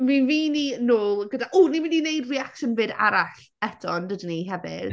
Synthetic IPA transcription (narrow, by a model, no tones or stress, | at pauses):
minviːninoːlˠɡədaʔunimininejdriakʃənvɨda̰ɾaɬ | ɛtʰɔndədiniɦɛvɪ̰d̥